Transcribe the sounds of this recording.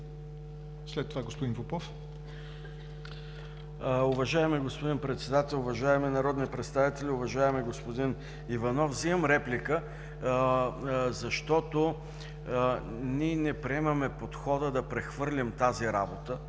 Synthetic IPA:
slɛt̪ːovaɡospod̪infopɔf | ʊvɐʒaɛmiɡospod̪inpɾɛt̪sɛd̪at̪ɛlˠʊvɐʒaɛminɐɾɔd̪nipɾɛt̪st̪avit̪ɛlʲiʊvɐʒaɛmɛɡospod̪in | ivɐnɔfziɐmɾɛplʲikə | zɐʃt̪ɔt̪o | niɛnɛpɾiɛmɐmɛpot̪xɔd̪əd̪ɐpɾɛxvɤɾlʲimt̪aziɾabot̪ə

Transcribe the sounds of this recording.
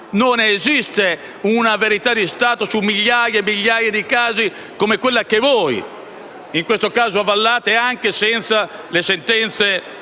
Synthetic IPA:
nonezist̪e | unaveɾit̪ad̪ist̪aːt̪osumːiʎːajaemːiʎːaːjad̪ikaːzi | komekwelːakevɔj | iŋkwest̪okaːzoavalːaːt̪eaŋkesɛnt̪sa | lesent̪ɛnt̪se

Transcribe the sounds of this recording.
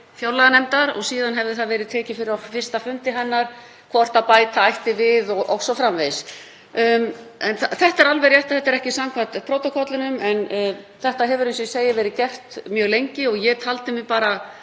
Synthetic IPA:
fjowɾlaɣanɛmt̪aɾɔ̰ɣsiːðanɦɛvðɪθaðvɛːɾɪðt̪ʰɛːcɪfɪɾɪɾafɪ̥st̪afʏnt̪ɪɦɛnːaɾ̥ | kʰvɔr̥t̪aðpaːjt̪aajht̪ɪvɪðɔɣʔɔ̰wsɔfɾamvejs | ɛnθθɛht̪ɛɾalvɛɾjɛht̪aθɛht̪ːɛɾɛhcɪsamkʰvat̪pʰɾowt̪ɔkʰɔt̪lɪnʏmɛnθɛht̪aɦɛvʏɾɪnsʏseːjɪvɛːɾɪðcɛr̥t̪mjœːɣlejɲcɪɔɣjɛt̪ʰalt̪ɪmɪpaːɾa

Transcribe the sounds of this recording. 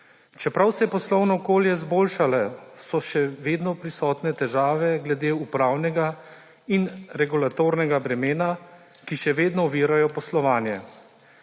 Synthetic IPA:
t͡ʃɛpɾawsɛjɛpɔslɔwnɔːkoːljɛzboːlʃalɛsɔʃɛʋeːd̪nɔpɾisɔːt̪nɛt̪ɛʒaːʋɛɡlɛd̪eːupɾaːwnɛɡa | inɾɛɡulat̪oːɾnɛɡabɾɛmeːna | kiʃɛʋeːd̪nɔɔʋiːɾajɔpɔslɔʋaːnjɛ

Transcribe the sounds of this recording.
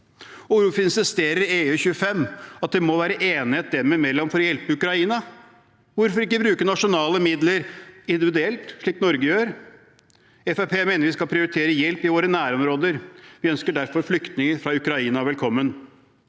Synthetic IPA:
ʊɾufəɪnsɪst̪eːɾəɾɪeːʉːçʉːəfɛmːɑt̪̚d̪ɛmɔʋæːɾəʔeːnɪheːt̪̚d̪ɛmɛmɛlːɔmfɔɾɔjɛlpəʉkɾɑiːnɑ | ʋʊɾfɔɾɪkːəbɾʉːkəɳɑʂʊnɑːləmɪd̪ləɾɪnd̪ɪʋɪd̪ʉɛlt̪ʂɭiːknɔɾɡəjøːɾ | ɛfæpʰeːmeːnəɾʋɪskɑlpʰɾɪʊɾɪt̪ʰeːɾəjɛlpɪʋoːɾənæːɾɔmɾoːd̪əɾʋɪœnskəɖæɾfɔɾflʏkt̪nɪŋəfɾɑʉkɾɑiːnɑʋɛlkʰɔmːən

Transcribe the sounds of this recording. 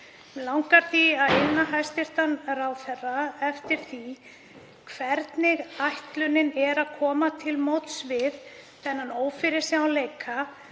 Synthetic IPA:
lawŋkaɾ̥θiaðɪnːaɦajst̪ɪr̥t̪anrawθɛrːaɛft̪ɪɾ̥θi | kʰvɛɾt̪nɪɣajht̪lʏnɪnɛɾaðkʰɔːmat̪ʰɪlmoːwt̪svɪðθɛnːanoːwfɪɾɪ̥saaleːjkʰa

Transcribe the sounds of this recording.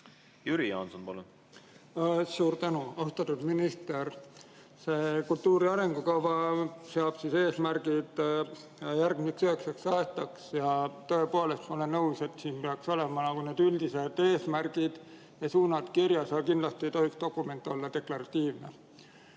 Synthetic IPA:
jyɾijɑ̰ːnsonpɑlun | suːɾt̪ænuɑust̪ɑt̪ːˑud̪minist̪eɾ | se̞ːkult̪ːuːɾiɑɾe̞ŋɡ̥ukɑvɑseɑb̥sise̞ːsmærɡ̥id̪̥ | jɑjæɾrɡ̚mik̪søhekseksɑet̪ːˑɑksjɑt̪o̞e̞po̞le̞st̪mo̞le̞nːɤwse̞t̪ːˑsiːnpeɑkso̞le̞mɑnɑkune̞ːd̪yld̪̥ise̞d̪̥e̞ːsmærɡ̥id̪̥ | jɑsuːnɑd̪̥kiɾjɑsɑlkind̪lɑst̪iejt̪o̞ɦikst̪o̞kːˑume̞nt̪ːˑo̞lːɑd̪e̞klɑɾɑt̪ːiːvne

